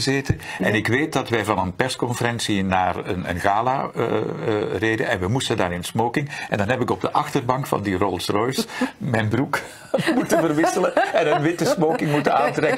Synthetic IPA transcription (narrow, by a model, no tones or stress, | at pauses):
zeːtə | ɛnɪkʋeːt̚dɑtʋɛjvɑnənpɛrskɔnfəɾɛnsinaːrə̰nə̰nɣaːla̰ | reːdə̰nɛ̰nʋɛmustəndaːɾɪnsmoːkɪŋɛndɑnɦɛpɪkɔb̚dəʔɑxtərbɑŋkfɑ̰ndirɔlˠsrɔjsmɛjnbruk | mutənvərʋɪsələɛnənʋɪtəsmoːkɪŋmutənaːntrɛkə